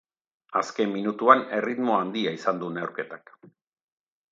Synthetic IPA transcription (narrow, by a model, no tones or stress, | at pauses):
aske̞mːinut̪uane̞rit̪mo̞and̪iaisand̪uneuwɾke̞t̪ak